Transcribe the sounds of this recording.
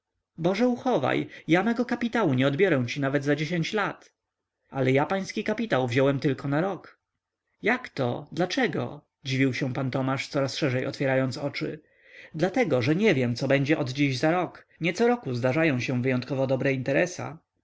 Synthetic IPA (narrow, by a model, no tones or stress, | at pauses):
bɔʐɛuxɔva̰jjamɛɡɔkapʲit̪awuɲɛɔd̪bʲjɔɾɛw̃t͡ɕinavɛd̪zad͡ʑeɕeɲt͡ɕlat̪ | alɛjapaj̃skʲikapʲit̪awvʑɔwɛmt̪ɘlkɔnaɾɔk | jakt̪ɔ̰d̪lat͡ʂɛɡɔ̰ | d͡ʑivʲiwɕɛ̃pant̪ɔmaʂt̪sɔɾasʂɛʐɛjɔ̰t̪fʲjɛɾajɔnt̪sɔt͡ʂɘ̰ | d̪lat̪ɛɡɔʐɛɲɛvʲjɛmt̪sɔbɛɲd͡ʑɛʔɔd̪d͡ʑiʑzaɾɔk | ɲɛt̪sɔɾɔkuzd̪aʐajɔ̃w̃ɕɛ̃vɘjɔnt̪̚kɔvɔd̪ɔbɾɛint̪ɛɾɛsa̰